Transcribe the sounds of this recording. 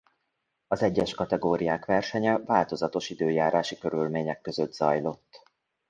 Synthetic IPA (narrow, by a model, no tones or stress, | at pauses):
ɒzɛɟːɛʃkɒt̪ɛɡoːɾijaːkʋɛrʃɛɲɛvaːlt̪o̞zɒt̪o̞ʃid̪øːjaːɾaːʃikø̞ɾylmeːɲɛkːø̞zød̪z̥ɒjlo̞t̪ː